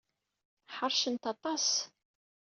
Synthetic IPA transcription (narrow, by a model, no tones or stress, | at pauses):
ħəɾˤʃənt̪ɑt̪ˤɑs